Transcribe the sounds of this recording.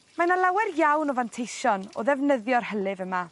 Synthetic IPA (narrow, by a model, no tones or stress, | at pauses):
manalˠawɛrjawnɔvantʰejʃɔnɔ̰ðɛvnəðjɔrhəlˠɨvəma